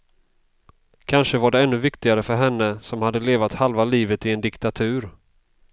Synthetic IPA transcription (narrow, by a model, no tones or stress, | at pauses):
kʰanʂəvaɖɛɛnːɵvɪkt̪ɪɡaɾəfœɾɦɛnːəsɔmhad̪ːəleːvat̪halvaliːvət̪ɪɛnd̪ɪkt̪at̪ʰʉ̟ːɾ